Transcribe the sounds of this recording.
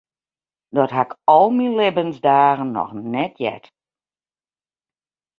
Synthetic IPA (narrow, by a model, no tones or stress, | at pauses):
dɔtɦakɔlˠmilɪbənzdaːɣənːɔ̰xnɛtʰjɛ̰t